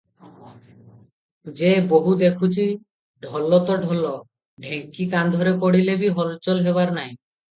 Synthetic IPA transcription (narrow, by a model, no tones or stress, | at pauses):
d͡ʒeboɦud̪ekʰut͡ʃʰi | ɖʱɔlɔt̪ɔɖʱɔlɔ | ɖʱeŋkikand̪ʱɔɾepɔɽilebiɦɔlt͡ʃɔlɦeβaɾnaj̃